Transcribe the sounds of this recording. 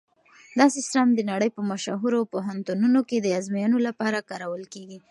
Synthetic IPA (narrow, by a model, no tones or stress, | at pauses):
d̪ɑsɪsɾamd̪ənaɽəjpəmaʃaɦuɾapoɦant̪ununoked̪əɑzmijɑnolapɑɾakɑɾawəlkeɡi